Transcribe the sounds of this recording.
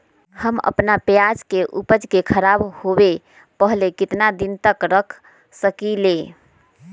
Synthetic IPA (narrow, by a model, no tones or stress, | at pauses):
həmə̰pnapjad͡ʒkeʔupəd͡ʒkekʰəɾabhobe | pəɦlekit̪nad̪int̪əkɾəkʰ | səkile